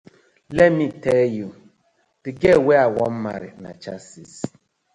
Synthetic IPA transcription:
lemiteju | b̥ɪɡeweawɔm̩ma̰ɾɪ̰na̰t͡ʃasis

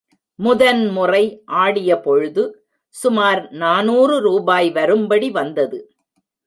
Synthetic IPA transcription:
mʊðɐnmʊrɐɪʔaːɽɪjɐpɔɻɯðɯ | sʊmaːɾnaːnuːrɯɾuːbaːjʋɐɾɯmbɐɽiʋɐnd̪ɐðɯ

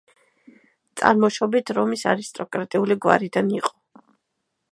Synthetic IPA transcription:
t̪sʼa̰ɾmɔʃɔbit̪ʰɾɔmisa̰ɾist̪ʼɔkʼɾat̪ʼiuliɡwa̰ɾid̪aniqʼɔ̥

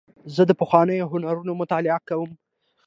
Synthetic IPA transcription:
zəd̪əpəxwɑnəjoɦʊnaɾunomʊt̪ɑlɪakawəm

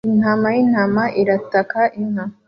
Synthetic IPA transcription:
inhamajin̥hamaʔiɾatakaʔinham

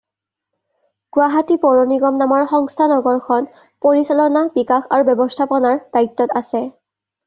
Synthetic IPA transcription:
ɡ̥waɦatipɔɹoniɡɔmnamɔɹxɔŋstʰanɔɡɔɹkʰɔn | poɹisalɔnabikaxaɹubjɔbɔstʰapɔnaɹd̥aitːɔtasɛ

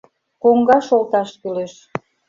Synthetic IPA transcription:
koŋɡɑʃolt̪ɑʃkyleʃ

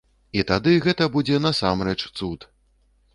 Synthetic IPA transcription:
it̪ad̪ɨɣɛt̪ɐbud͡zʲɛn̪ɐsamɾɛt͡ʂt̪sut̪

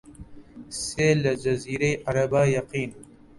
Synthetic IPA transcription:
seːlɐd͡ʒɐziːɾejʔɐɾɐbaːjɐqiːn

